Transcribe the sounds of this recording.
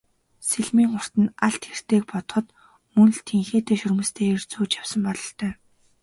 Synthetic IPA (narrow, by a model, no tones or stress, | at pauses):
seɮmiːŋχʊr̥t̪ɘ̆naɬt̪xer̥t̪eːk̚pɔt̪ɞ̥̆χɞ̆t̪ | mɵnɮt̪ʰeŋxeːt̪ʰeːʃɵrmɵ̆st̪ʰeːir̥t͡suːt͡ɕjaw̥sə̆mpɔɮɞ̆ɬt̪ʰœː